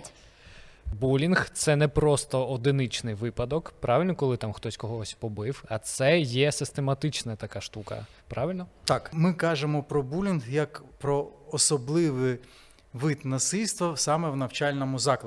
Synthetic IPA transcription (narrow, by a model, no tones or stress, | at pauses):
bulʲinxt̪sɛnɛpɾɔst̪ɔɔd̪ɪnɪt͡ʃnɪjʋɪpɐd̪ɔkpɾʔɑʋɪlʲnɔkɔlˠɪt̪amxt̪ɔsʲkɔɦɔsʲpɔbɪwɐt̪sɛjɛsɪst̪emɐt̪ɪt͡ʃnɐt̪ɐkɑʃt̪ukɐ̰ | pɾɑʋɪlʲnɔt̪ɑkmɪkɑʒemɔpɾɔbulʲinɣjɐkpɾɔɔsɔblˠɪʋɪ | ʋɪt̪nɐsɪlʲst̪ʋɐsɑmɛwnɐwt͡ʃɑlʲnɔmʊzɑklˠ